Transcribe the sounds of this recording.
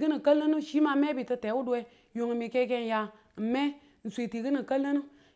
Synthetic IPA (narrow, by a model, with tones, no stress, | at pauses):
ɡɨ˦nɨ˨kə˦lːə˦nu˦ʃi˦ma˧˦me˦bi˨tɨ˧te˨˦wu˦du˨˦e˧ | jo˨ŋ˨mi˨ke˦ke˦n˨ja˧˨ | m̩˨me˦ | n̩˨sʷi˨ti˨ɡɨ˦nɨ˨kə˦lːɨ˦nu˦